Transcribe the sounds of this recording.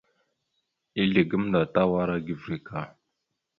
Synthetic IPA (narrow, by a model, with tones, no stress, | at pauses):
i˦ɮi˨ɡə˦m˦nda˨ta˦wa˦ɾa˦ɡi˨vɾi˨ka˨